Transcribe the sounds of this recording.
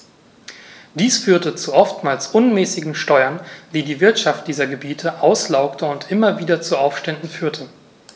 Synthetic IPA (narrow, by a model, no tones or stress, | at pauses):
d̥iːsfyːɐtət͡suʔɔftmaːlsʔʊnmɛːsɪɡŋ̩ʃtɔʏɐnd̥iːdiːvɪɐtʃaft̚d̥iːzɐɡəbiːtʰəʔaʊslaʊktʰəʊntʔɪmɐviːdɐt͡suaʊfʃtɛndn̩fyːɐtʰə